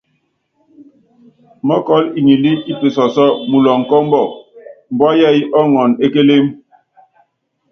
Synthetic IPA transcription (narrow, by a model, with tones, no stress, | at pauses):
mɔ˦kɔ˦li˨ɲi˨li˦i˦pe˨sɔ˨sɔ˦mu˨lɔ˨ŋ̩˨kɔ˦m̩˦bɔ˦˨m̩˨bɔ˦jɛ˦˨i˦ʔɔ˦ŋɔ˨ne˦ke˦le˦m